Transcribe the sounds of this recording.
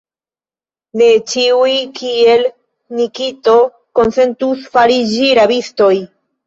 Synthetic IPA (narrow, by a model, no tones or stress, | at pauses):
ne̞t͡ʃiujkʰie̞l | nikito̞ | ko̞nse̞ntusfaɾid͡ʒiɾabisto̞j